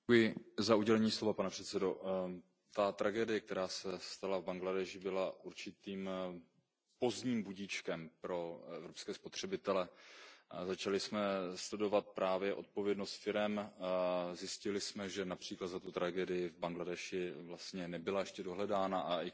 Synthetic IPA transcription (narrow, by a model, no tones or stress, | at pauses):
ujɪzauɟɛlɛɲiːslovapanɛpr̥ɛt̪sɛdo̞ | t̪at̪ɾʔaɡɛːdɪjɛk̚t̪ɛɾaːsɛst̪alavbaŋɡladɛʃɪbɪlaʔuɾt͡ʃɪt̪iːm | po̞zɲiːmbuɟit͡ʃkɛmpɾo̞ɛvɾo̞pskɛːspot̪r̝̥ɛbɪt̪ɛlɛ | zat͡ʃalɪsmɛslɛdo̞vat̪̚pɾaːvjɛʔo̞̰t̪̚po̞vjɛdno̞st̪fɪɾɛm | zjɪscɪlɪsmɛʒɛnapr̝̥iːklat̪zat̪ut̪ɾʔaɡɛːdɪjɪvbaŋɡladɛʃɪvlast̪ɲɛnɛbɪlajɛʃcɛdo̞ɦlɛdaːnaʔaɪ